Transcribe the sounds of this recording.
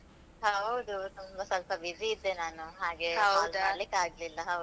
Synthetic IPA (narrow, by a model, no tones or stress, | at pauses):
ɦɐwd̪ut̪umbɐsɐlpɐbisiːd̪ːe̞naːnuɦaːɡe̞ɦɐwaːlaːɭikːaːɡlilːɐɦɐwd̪u